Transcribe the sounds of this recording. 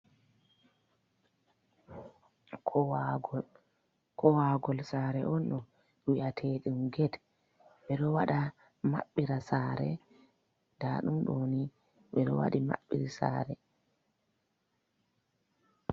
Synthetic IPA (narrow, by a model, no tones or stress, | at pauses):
kʰɔɡ | kʰɔwaɡɔlsaːɾɛʔɔnɗɔ | wiʔatʰeːɗimɡɛd | ɓɛɗɔwaɗa | ma̰ɓːiɾasaːɾɛ | d̥aɗumɗoːni | ɓɛɗɔ̰wa̰ɗima̰ɓːḭɾisa̰ːɾɛ